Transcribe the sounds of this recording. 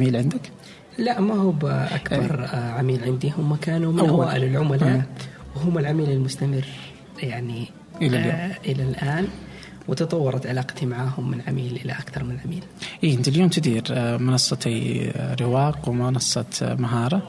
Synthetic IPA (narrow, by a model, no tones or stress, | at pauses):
amiːlʕɪnd̪ɪk | laʔmahuːbʔa̰kbɑɾˤʕamiːlʕɪnd̪ihʊmːakaːnumɪnʔaawaːʔɪlɪlʕʊmalaːwɦʊmːɪlʕamiːlɪlmʊst̪amɪrː | jaʕni | ʔɪlaʔɪlalʔaːn | wɪt̪ɑt̪ˤɑwːɑɾˤɑt̪ʕalaːqɑ̥t̪imaʕaːhʊmːɪnʕamiːlʔɪlaʔakθɑɾˤmɪnɪlʕamiːlʔiːʔɪnt̪iljoːmt̪ɪd̪iːɾmɪnɑsˤːɑt̪iɾɪwɑːqwmɪnɑsˤːɑt̪maɦɑːɾˤɑ